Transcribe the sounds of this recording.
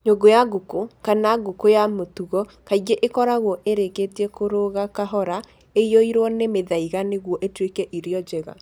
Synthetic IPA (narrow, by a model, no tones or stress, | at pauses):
ɲoɡojaɡukokanaɡukojamotuɣɔkaiɡeʔekɔɾaɣwɔʔeɾeketiɛkoɾoɣakaɦɔɾa | ejoiɾwɔnemeðaiɣaneɣwɔʔetwekɛʔiɾjɔd͡ʒɛɣa̰